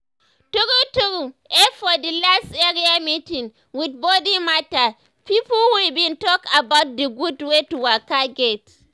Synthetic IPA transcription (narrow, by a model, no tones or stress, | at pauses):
tuɾutuɾuʔɛfɔdilasteɾiamitĩn | wid̚bodimata | pipɔlwibĩntɔkabaʊt̚diɡudwetuwakaɡet